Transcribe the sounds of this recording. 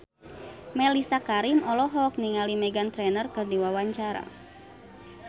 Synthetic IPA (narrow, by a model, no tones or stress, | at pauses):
mɛlisakaɾimɔlɔɦɔk̚niŋalimɛɡant̪ɾɛnərkɨrdiwawaɲt͡ʃaɾa̰